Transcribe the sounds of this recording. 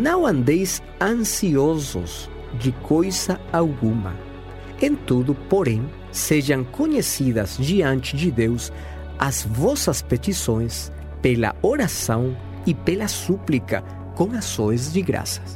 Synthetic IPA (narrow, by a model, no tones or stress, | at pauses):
nɐ̃w̃ãnd̪ejs | ãŋsiozʊ̰s | d͡ʒɪkʰojsɐawɡumɐ̰ | ẽnt̪uðʊpoɾẽŋ | seʒɐ̃ŋkoɲesiðɐzd͡ʒiãnt͡ʃɪd͡ʒɪd̪ews | ɐzvɔsɐspet̪isõj̃s | pelɐ̰oɾasɐ̃w̃ | ipelɐsuplikɐ̰ | kõŋasõjzdɪɣɾa̰sɐ̥